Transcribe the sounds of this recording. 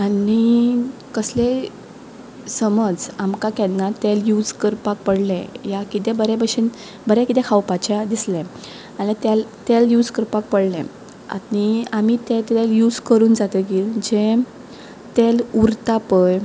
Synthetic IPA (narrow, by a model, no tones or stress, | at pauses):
anikəsle | səməd͡zamkãkjanːat̪eljud͡zkəɾpak̚pəɽlɛ̃jakit̪ɛbəɾɛpəɕin | bəɾɛ̃kit̪ɛ̃kʰawpat͡ɕad̪islɛ̃ | aɽit̪ɛlt̪eljud͡zkəɾpak̚pəɽlɛ̰̃ | a̰niamit̪ẽt̪eljud͡zkəɾuːnd͡zat̪əɡiːld͡ʑe | t̪eluɾt̪apəj